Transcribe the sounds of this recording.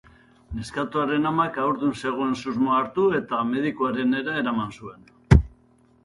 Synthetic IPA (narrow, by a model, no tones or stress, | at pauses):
ne̞skat̪oaɾe̞namakawɾðunse̞ɣ̞oe̞nsuzmoaːɾt̪ue̞t̪ame̞ðikoaɾe̞ne̞ɾae̞ɾamansue̞n